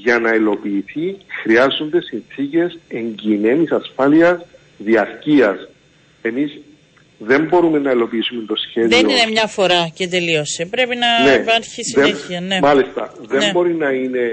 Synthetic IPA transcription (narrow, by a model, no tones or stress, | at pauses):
ʝɐnɐilo̞piːθixɾiɐzːo̞nd̪e̞sinθice̞se̞ɲɟine̞nisɐsfɐliɐs | ðiɐɾciɐs | e̞miz | ðe̞mbo̞ɾume̞nːɐilo̞piisume̞nt̪o̞sçe̞ðeoinemɲɐfo̞ɾɐcet̪e̞lio̞sipɾe̞pinɐnepɐɾçisieçiɐnemɐlist̪ɐ | ðenmbo̞ɾinɐine̞